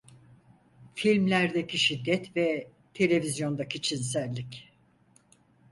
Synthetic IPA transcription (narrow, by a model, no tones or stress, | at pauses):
filʲmlʲæɾd̪ecʰiʃid̪ːɛt̪vɛ | t̪ʰe̞lʲe̞vizjo̞nd̪akit͡ʃʰins̬ælʲːic